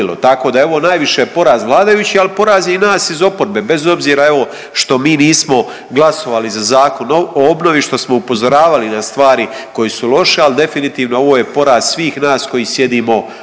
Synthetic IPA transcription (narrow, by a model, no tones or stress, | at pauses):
lo̰t̪ako̞ːd̪aeo̞ʋo̞najʋiʃe̞jepo̞ɾaːzd̪ʋlˠaːd̪ajut͡ɕialpo̞ɾaːzinaːsizo̞po̞ɾbe̞be̞zo̞bziːɾae̞ʋo̞ | ʃt̪o̞miːniːsmo̞ | ɡlˠaso̞ʋaːlizazaːko̞nooobno̞ʋiʃt̪o̞smo̞upo̞zo̞ɾaːʋalinast̪ʋaːɾiko̞jeːsulˠo̞ʃeald̪e̞finit̪iːʋno̞o̞ʋoːje̞po̞ɾaːz̥sʋiːxnaːsko̞jiːsje̞d̪iːmo̞